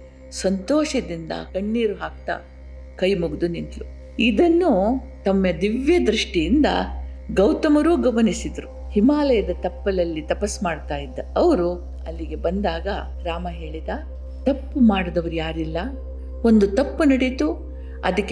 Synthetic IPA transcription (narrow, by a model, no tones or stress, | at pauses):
sɐnt̪ɔːʂɐd̪ind̪ɐ̰kɐɳːiːɾuɦaːk̚t̪a̰ | kɐjmuɡd̪uninʈ̪lu | id̪ɐnːu | t̪ɐmːed̪iʋjɐd̪ɾiʂʈijind̪ɐ̰ɡɐwt̪ɐmɐɾuːɡɐmɐnisid̪ɐɾu | himaːlɐjɐd̪ɐt̪ɐpːɐlɐlːit̪ɐpɐsmaːɽt̪aːjid̪ːɐɐʋɐɾu | ɐlːiɡe̞bɐnd̪aːɡɐ | ɾaːmɐɦe̞ːɭid̪aː | t̪ɐpːumaːɽɐd̪ɐʋɐɾujaːɾilːɐ | ond̪ut̪ɐpːunɐɽit̪u | ɐ̰d̪ɐkːe